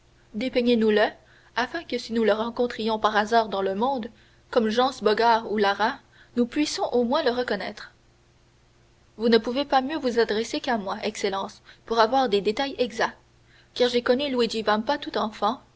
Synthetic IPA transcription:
d̪epɛɲenulə | afɛ̃kəsinuləʁɑ̃kɔ̃t̪χijɔ̃paʁazaːʁd̪ɑ̃ləmɔ̃d̪ | kɔmʒɑ̃sbɔɡaːʁulaʁa | nupɥisɔ̃ʔomwɛ̃ləʁəkɔnɛːt̪χ | vunəpuvepamjøvuzad̪ʁesekamwaʔɛkselɑ̃ːspuʁavwaːʁd̪ed̪et̪ajɛɡza | kaːʁʒekɔnylwid͡ʒivampat̪ut̪ɑ̃fɑ̃

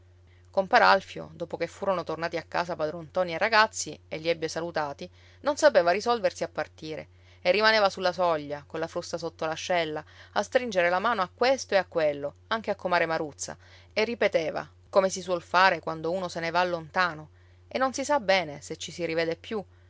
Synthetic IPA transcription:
kompaːɾaalfjo̰d̪oːpokefːuːɾonot̪ornaːt̪iakːa̰ːsapad̪ɾont̪ɔːnierːaɡat̪sːieʎːiɛbːesalut̪aːt̪i | nonsapeːvarisɔlversiapːart̪iːɾḛ | erːimaneːvasulːasɔʎːakonlafɾust̪asot̪ːolaʃːɛlːaast̪ɾind͡ʒeɾelamaːnoakːwest̪oeakːwelːo | aŋk̟eakːomaːɾemaɾut̪sːa̰ | erːipet̪eːva̰ | komesiswɔlfaːɾekwand̪ouːnosenevalːont̪aːno | enːonsisabɛːneset͡ʃːisiɾiveːd̪epːju

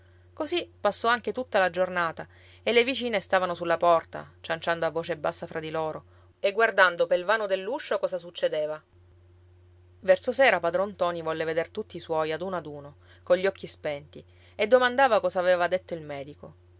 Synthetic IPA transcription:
kozipːasːɔaŋk̟et̪ut̪ːalad͡ʒornaːt̪a | elːevit͡ʃiːnest̪avanosulːapɔrt̪a̰t͡ʃant͡ʃand̪oavːoːt͡ʃebːasːafɾʔad̪iloːɾo | eɡːward̪and̪opelvaːnod̪elːuʃːokɔːzasut͡ʃːed̪eːva | vɛrsosɛːɾapad̪ɾɔnt̪ɔːnivɔlːeved̪ert̪ut̪ːiswɔjad̪unoad̪uːno | koʎːiɔkʰːispɛnt̪i | ed̪ːomand̪aːvakɔːzaːvevad̪et̪ːoilmɛːd̪iko

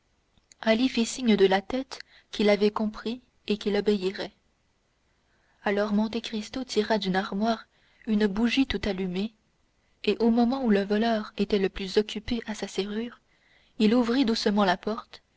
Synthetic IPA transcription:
alifisiɲəd̪əlat̪ɛt̪ | kʲilavɛkɔ̃pχi | ekʲilɔbeiʁɛ | alɔʁmɔ̃t̪̬ekχist̪ot̪ʰiʁad̪ynaʁmwaːʁ | ynəbuʒit̪ut̪alyme | eʔomɔmɑ̃uləvɔlœːʁet̪ɛləplyzɔkʲypeʔasaseʁyːʁ | iluvʁid̪usəmɑ̃lapɔʁt̪

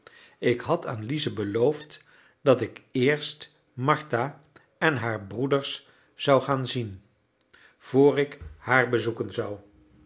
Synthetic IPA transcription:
ɪkɦɑta̰ːnlizəbəlowft | dɑtɪkɪːɹst | mɑɹta | ɛnɦaːɹbrudəɹs | z̥ʌwχaːnzin | v̥oːrɪkhaːɹbəzukənzʌw

